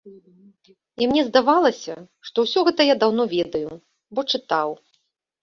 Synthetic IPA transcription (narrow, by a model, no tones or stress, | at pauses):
imnʲɛzd̪avalˠɐsʲɐʂt̪ɔwsʲɔɣɛt̪ɐjad̪awn̪ɔvʲɛd̪ɐju | bɔt͡ʂɨt̪aw